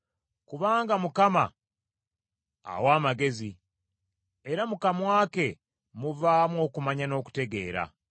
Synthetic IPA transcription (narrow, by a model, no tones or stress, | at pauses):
kuβaːŋɡamukama̰ | waːmaɡe̞zi | eɾamukamwaːke̞ | muvaːmwo̞ːkumaɲano̞ːku̥te̞ɡe̞̰ːɾa̰